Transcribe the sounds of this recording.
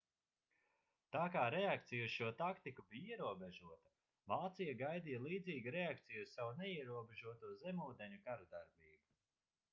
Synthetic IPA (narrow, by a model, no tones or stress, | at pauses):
t̪aːkaːɾɛakt̪sijusʃuɔt̪akt̪ikubijiɛɾuɔbeʒuɔt̪ɐ̥ | vaːt̪sijaɡajd̪ijalˠiːd̪ziːɡuɾeak̚t̪sijuzsavunɛiɛɾuɔbeʒuɔt̪uɔzɛmuːd̪eɲukaɾud̪aɾbiːbu